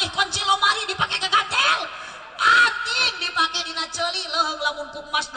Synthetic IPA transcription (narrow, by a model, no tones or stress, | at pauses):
ihkɔnt͡ʃilɔmaɾidipakɛkəɡat̪ɛl | ʔat̪iŋdimakɛdinat͡ʃoliləɦəŋlamuŋkuk̚masd